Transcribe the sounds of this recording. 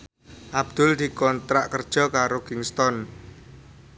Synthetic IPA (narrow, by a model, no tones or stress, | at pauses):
ʔab̚d̪̥ʊ̤ld̪̥i̤kɔnt̪ɾaʔkərd̥ʒ̥ɔ̤kaɾokɪŋst̪ɔn